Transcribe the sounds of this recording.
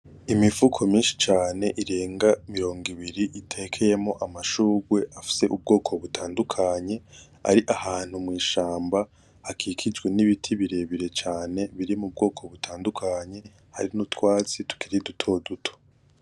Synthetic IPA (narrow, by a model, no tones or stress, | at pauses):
imivukʰo̞miːnʃi̥t͡ʃaːne̞ʔiɾe̞ːŋɡamiɾo̞ːŋɡiβiɾiʔitʰe̞kʰe̞je̞mŋo̞ʔamaʃuːɡwe̞ʔafi̥se̞ʔub̚ɡo̞ːkʰo̞βutʰaːndukʰaɲe̞ | a̰ɾiʔahaːn̥humŋiːʃaːmba | hakʰikʰid͡ʒɡweniβitʰiβiɾe̞βiɾe̞t͡ʃaːne̞βiɾimub̚ɡo̞ːkʰo̞βutʰaːndukʰaɲe̞ | ha̰ɾinutwaːt͡situ̥kʰiɾidutʰo̞dutʰo̥